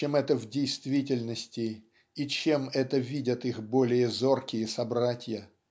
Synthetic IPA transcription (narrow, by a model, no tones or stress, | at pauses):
t͡ɕemɛt̪əvdʲɪjst̪vʲitʲɪlʲnəsʲtʲɪ | it͡ɕemɛt̪əvʲidʲət̪ixbolʲɪjəzo̞rkʲɪjəsɐbɾatʲɪjə